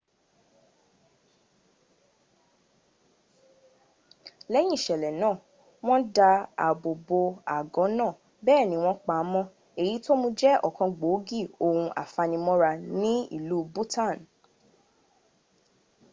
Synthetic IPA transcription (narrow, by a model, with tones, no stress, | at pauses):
lɛ˨˦j̃ĩ˦˨ʃɛ˨lɛ˨nãː˦˨ | w̃ɔ̃˦da˧a̰˨bo˨bo˧a˨ɡɔ̃˨˦nãː˦˨ | bɛː˦˨nĩ˨˦w̃ɔ̃˦k͡pa˨˦mɔ̃˧ | e˨ji˨˦to˦mũ˧d͡ʒɛ˦ɔ˨kɔ̃˧ɡ͡bo˨˦ɡi˦˨o˨hũ˧ʔa̰˨fa˧nĩ˧mɔ̃˦ɾa˧nĩ˦ḭ˦˨lu˦bu˦ta˦˨n